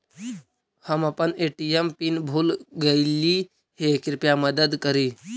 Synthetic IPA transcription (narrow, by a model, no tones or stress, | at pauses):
həməpəneʈiempinbʱuːlɡəɪli | hekɾɪpjaməd̪əd̪kəɾiː